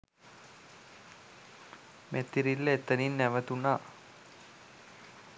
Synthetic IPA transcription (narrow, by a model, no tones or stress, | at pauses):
mʔet̪ːiɾilːəet̪əninːæʋət̪unaː